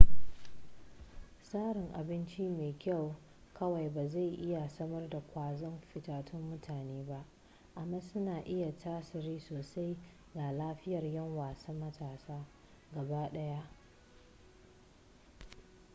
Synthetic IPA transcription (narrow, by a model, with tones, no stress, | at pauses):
saː˦ɾɪ˨ŋʔa˨bɪ˦nt͡ʃi˦meː˨kʲa˦˨w | kɐ˦wa˨jbaː˨za˦˨jʔɪ˦ja˨sɐ˦mɐ˦rda˨kʷaː˨zɔ˦mɸɪ˨taː˨tʰʊ˦mːʊ˦tʰaː˨neː˦ba˦ʔ | ʔa˨mːaː˦sʊ˦naː˨ʔɪ˦ja˨tʰaː˦sɪ˨ɾiː˦soː˨sa˦j | ɡa˨laː˦ɸɪ˦jɐ˨rjɐ˦ŋwaː˨sa˦mːɐ˦tʰaː˨saː˦ | ɡɐ˨baː˦ɗɐ˦ja˦ʔ